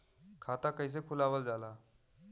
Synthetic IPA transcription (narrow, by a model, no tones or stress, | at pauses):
kʰat̪akəjs̬ekʰulaʋəld͡zala